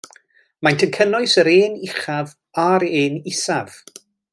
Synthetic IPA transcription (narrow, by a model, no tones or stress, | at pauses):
majntʰənkʰənʊɨsəɾeːnɪχav | aɾeːnɪsav̥